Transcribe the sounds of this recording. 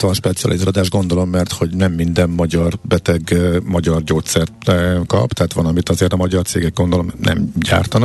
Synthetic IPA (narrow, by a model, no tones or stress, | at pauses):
t̪ʋɒnʃpɛt̪siɒ̰lʔizaɾod̪aːʒɡo̞nd̪o̞lo̞mːɛrt̪ho̞ɟnɛmːind̪ɛmːɒɟɒrbɛt̪ɛɡmɒɟɒrɟoːt̪sɛrt̪kɒ̰bt̪ɛɦaːt̪ʋɒnɒmit̪ɒzeːrt̪ɒmɒɟɒrt̪seːɡɛɡ̚ɡo̞nd̪o̞lo̞mnɛ̰mɟa̰ːrt̪ɒnɒk